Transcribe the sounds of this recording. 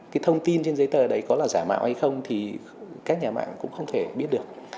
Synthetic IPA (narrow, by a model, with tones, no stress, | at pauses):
kaː˨˦jt̪ʰə˧wŋ͡mt̪i˧nt͡ɕe˧nzə˨˦jt̪əː˨˩ə˨˩ɗə˨˦jkɔ˨˦laː˨˩zaː˧˩ma̰ː˧˨wha˧jxə˧wŋ͡mt̪ʰi˨˩ | kaː˦˥k̚ɲaː˨˩ma̰ː˧˨ŋkʊ̰˧˥ŋ͡mxə˧wŋ͡mt̪ʰe˧˩ɓi˦˥ət̚ɗɨ˨˩ək̚